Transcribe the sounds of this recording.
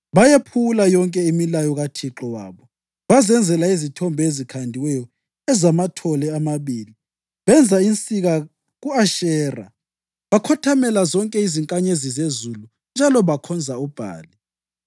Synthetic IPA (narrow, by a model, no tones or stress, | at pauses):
βajepʰulajɔŋkʼɛimilajɔɣatʰiǁɔwa̰ːβɔ | βazɛnd͡zʱɛlaizitʰɔmbʱezikʰandʱiwɛjɔ | ɛzamatʰɔlɛamaβiːli | βɛnd͡zʱaint͡sʼiɣa | ɣuaʃɛːra̰ | βakʰɔtʰamɛlazɔŋkʼɛiziŋkʼaɲezizezulu | nd͡ʒʱalɔβakʰɔnd͡zʱaub̥ʱa̰ːli